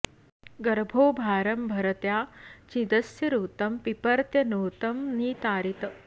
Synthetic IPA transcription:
ɡɐɾbʱoːbʱaːɾɐmbʱɐɾɐt̪jaːt͡ʃĩd̪ɐsjɐɾuːt̪ɐmpipɐɾt̪jɐnuːt̪ɐmniːt̪aːɾit̪ɐ

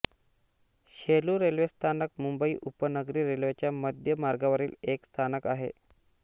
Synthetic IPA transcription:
ɕeluːɾelʋest̪ʰanək̚mumbəiːʔupənəɡɾiːɾelʋet͡ɕjaməd̪ʱjəmaɾɡaʋəɾiːlekst̪ʰanəkaɦḛ

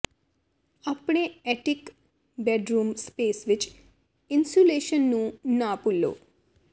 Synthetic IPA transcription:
ɐpɳeeʈik | beɖɾuːmspeːsʋit͡ʃ | insuleːʃɐnːunaːpulːo̰ː

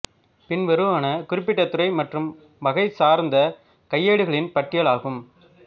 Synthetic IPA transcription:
pɪnʋɐɾɯʋaːnɐkʊɾɪpːɪʈːɐt̪ːɯɾɐɪmɐʈrɯm | ʋɐɣɐɪsaːɾnd̪ɐ | kɐjːeːɽɯɣɐɭɪnpɐʈːɪjɐɭaːɣɯm

